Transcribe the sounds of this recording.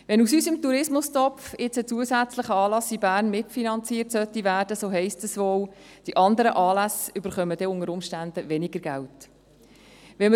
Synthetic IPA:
ʋɛnusyːsəmtuɾɪsmʊstɔfɪt͡sət͡suəsæt͡sləχəɑːlɑsibæːɾnmɪtfinɑnt͡siərtsœt̪ːivæːɾd̥əsoːɦɛɪstəsʋoːw | d̥iʔɑnd̪əɾəʔɑːlæsʏb̥əɾχœməd̥̪ɛʊŋəɾʊmʃtænd̪əʋɛnɪɡ̥əɾɡ̥ælt | ʋɛmə

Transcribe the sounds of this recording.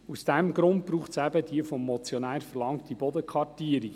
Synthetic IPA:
usd̥ɛmɡɾʊnt̚b̥ɾuːχtsæbədiəfɔmːɔt͡sjɔnæːɾfɛɾlɑŋktibɔdəkʰʋɑtiːəɾi

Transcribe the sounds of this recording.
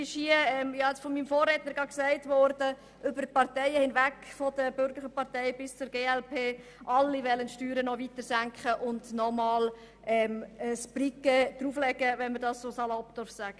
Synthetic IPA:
ɪʃhiəɛmjjɑɛt͡sfɔmimfoːrːetnəɾɡɑksæɪtʋɔɾdə | ʔʏbərpɑɾtɛɪəhɪnvækfɔdəbʏɾɡəlɪχəpɑʁtɛɪbɪst͡sʊɾɡeːɛlpʰeː | ʔɑlːiʋɛlːənʃtyːɾənɔvitəɾsæŋkχəʔʊndnɔmɑːl | ʔɛməsb̥rikəd̥ɾuːflɛɡ̥əʋɛnməɾdɑssoːsɑlɔpd̥ɔɾfsæɡ̥ə

